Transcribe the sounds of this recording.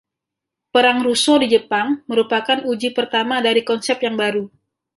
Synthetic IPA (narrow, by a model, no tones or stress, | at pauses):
pəɾaŋɾusodid͡ʒəpaŋməɾupakanud͡ʒipərt̪amadaɾikɔnsɛp̚jaŋbaɾu